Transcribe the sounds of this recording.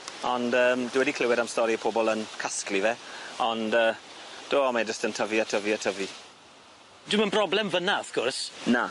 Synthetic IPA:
ɔndəːmdɪwɛdikʰl̥ɪwɪɾamstɔɾipʰoːbɔlˠənkʰasklivɛɔndəːd̥oːamad͡ʒəstəntʰəviatʰəviatʰəvi | d̥ɪmənbrɔblɛmvənaɔfkʰɔrsna

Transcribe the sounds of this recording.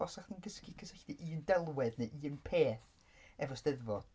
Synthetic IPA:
ɔsaχdiːnɡəskikʰəsəɬd̥iʔiːndɛlˠwɛdnɨʔiːənpʰeːθ | ɛvɔsdɛðvɔd̥

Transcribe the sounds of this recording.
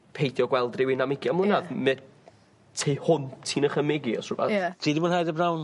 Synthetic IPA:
pʰejθjɔɡwɛlˠdrɪwɪnamɪɡjamlˠʊnaðmɛ | tʰejhʊntʰːiːnəχəmɪɡiɔsʊvatʰiːdibʊːnhajdəbnawn

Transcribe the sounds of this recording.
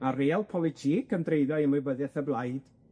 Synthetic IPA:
areːlˠpʰɔlˠɪtʰiːkʰəndrejðɔɨəmʊbəðɛθəblˠajd̥

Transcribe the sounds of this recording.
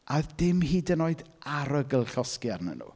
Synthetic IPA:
adɪmhiːdənoːɨdaɾəɡəlˠɬɔskjarnə̰nṵː

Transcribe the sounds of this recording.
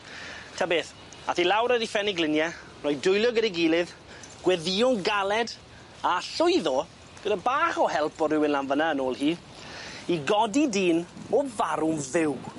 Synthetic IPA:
tʰaːbeːθ | aθilawɾədifɛniɡlɪnjɛ | rɔjdʊjlˠjɔɡədɛɡiːlˠɨð | ɡ̥wɛðiʊŋɡalˠɛd | aɬʊɨðɔ | ɡ̥ədabaːχɔhɛlˠpʰɔrɪwɪnlanvənaənoːlˠhiː | iɡɔdidiːnɔvaɾʊmvɪw

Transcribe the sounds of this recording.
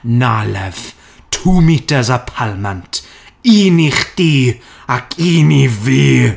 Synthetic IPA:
nalɛv̥ | tʰuːmitʰəzapʰalˠmantʰ | iːniχd̥iː | akʰiːniviː

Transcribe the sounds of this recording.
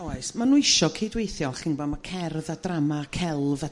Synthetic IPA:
awasmanuɪʃɔkʰejdwejθjɔχɪnbamakʰɛrðad̥ramakʰɛlˠva

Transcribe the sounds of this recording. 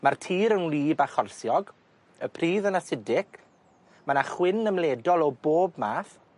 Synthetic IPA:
martʰiːɾənlˠiːbaχɔrsjɔɡ | əpʰriːðənasɪdɪk | manaχwɪnːəmleːdɔlˠɔboːbmaːθ

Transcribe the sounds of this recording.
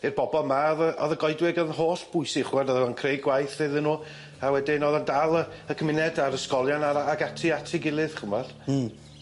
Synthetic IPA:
irb̥ɔbɔlˠmaɔðəʔɔðəɡɔjdwɛɡənɦoːɬb̥ʊjsɪχwɛdɔðɔankʰrejɡwajθɪðənuː | awɛdinɔðəndalˠəəkʰəmɪnɛdaɾəskɔlˠjanaaɡatʰɪatʰɪɡɪlˠɨð̥χəmɔd̥

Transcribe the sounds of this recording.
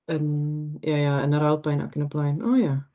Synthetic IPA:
ənjajaənəɾalˠpɛjna̰kənəplɛjnoːja

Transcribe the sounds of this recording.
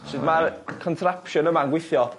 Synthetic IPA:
ʃɪdmarkʰɔntʰɾapʃənəmanɡwɪθjɔ

